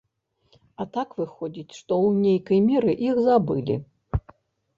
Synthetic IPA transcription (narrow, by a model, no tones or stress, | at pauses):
ɐt̪akvɨxɔd͡zʲit͡sʲʂt̪ɔwnʲejkɐjmʲɛɾɨʔixzabɨlʲḭ